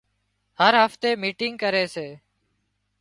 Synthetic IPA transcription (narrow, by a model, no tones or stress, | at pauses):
həɾɦəft̪eːmiːʈɪŋɡ̚kəɾeːseː